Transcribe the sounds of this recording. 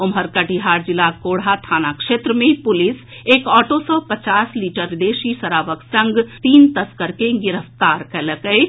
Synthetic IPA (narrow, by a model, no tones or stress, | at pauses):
omɦəɾkəʈiɦaɾd͡ʒilakoɽɦat̪ʰanakʃet̪ɾəmẽpulis | ekɔːʈosɔpət͡ʃasliʈəɾd̪esisəɾaʋəksə̃ŋɡt̪iːnt̪əskəɾkeɡiɾəft̪aɾkɛləkəɪ